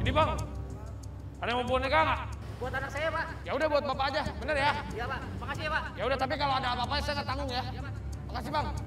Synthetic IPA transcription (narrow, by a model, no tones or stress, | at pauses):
inibaŋ | adaməbuɔnakaŋaʔ | buat̪anaksajapa | jaudabuat̪̚bapaːd͡ʒabənərjajapaʔmakasiabaʔjaudat̪ap̬ikaloadaabapajasajaŋat̪aŋɡʊŋja | makas̬ibaŋ